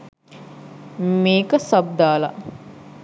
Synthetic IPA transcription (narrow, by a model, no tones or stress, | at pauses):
meːkəsab̚d̪aːla̰